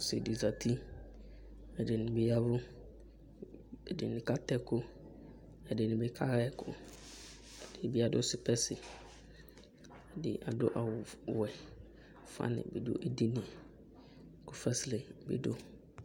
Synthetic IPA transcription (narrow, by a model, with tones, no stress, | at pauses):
sɪ̰˨di˨za˨tʰi˦ | ɛ˨dɪ˨nɪ̃˨bɪ˨ja˦bʊ˦ | ɛ˨dɪ˨nɪ̃˨ka˦tɛ˦kʰʊ˦ | ɛ˨dɪ˨nɪ̃˨bɪ˨kʰa˦ɾɛ˦˨kʰʊ̰˦ | ɛ˨d̥ɪ˨bɪ˦a˨dʊ˦sɪ˨pʰɛ˦sɪ˨ | ɛ˨dɪ̰˨ʔa˨dʊ̰˦ʔa˨wwɛ˨ | fã̰˦nɪ̰̃˨bɪ˨dʊ̰˦ʔe˨di˦nɪ̃˨ | kʰʊ˦fɛ˦sle˨bɪ̰˨dʊ˦